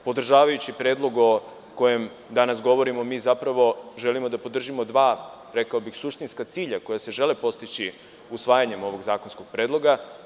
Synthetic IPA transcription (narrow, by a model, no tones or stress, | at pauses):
po̞d̪r̩ʒaːʋajut͡ɕipɾe̞ːd̪lˠo̞ɡo | ko̞je̞m | d̪anasɡo̞ʋo̞ɾimomiːzapɾaʋo̞ʒe̞limod̪apo̞d̪r̩ʒimo̞d̪ʋaː | ɾe̞kaobixsuʃt̪inskat̪siːʎako̞jase̞ʒe̞lepo̞st̪it͡ɕi | usʋaːjaɲe̞mo̞ʋo̞ɡzaːkonsko̞ɡ̥̚pɾe̞ːd̪lˠo̞ɡa